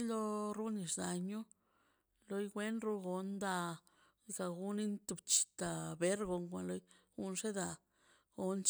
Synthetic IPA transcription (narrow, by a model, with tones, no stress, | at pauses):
lo˦ɾu˦ni˨ʂd̪a˨ɲu˦ | lo˧jɡʷe˦nɾu˦ɡo˨nd̪a˧ | za˧ɡu˦ni˦nt̪u˧bt͡ʃi̥˨t̪a˨be˦ɾɡo˧ŋkʷa˨nlo˦jɡu˧˦nʂe˦d̪a˧ | ɡo˨nt͡ʃ